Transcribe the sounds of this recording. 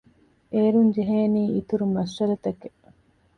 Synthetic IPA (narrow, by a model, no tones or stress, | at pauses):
eːɾuɲd͡ʒeɦeːniːit̪uɾumɐʃːɐɾɐt̪ɐke